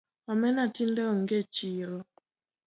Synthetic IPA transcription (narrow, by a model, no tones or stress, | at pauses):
amɛnatindɛɔŋɡet͡ʃiɾɔ